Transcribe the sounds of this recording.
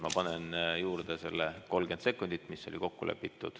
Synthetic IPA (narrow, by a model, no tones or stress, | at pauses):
mɑpɑnenjuːrd̪̥ese̞lːeko̞lɡ̥e̞nt̪se̞kːˑund̪̥it̪ːˑmisːo̞̰lʲiko̞kːulʔḛpːit̪ːˑud̪̥